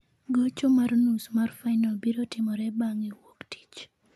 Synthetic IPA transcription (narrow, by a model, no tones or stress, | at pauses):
ɡot͡ʃomarnusmarfaɪnalbiɾotɪmɔɾɛbaŋiwokti̥t͡ʃ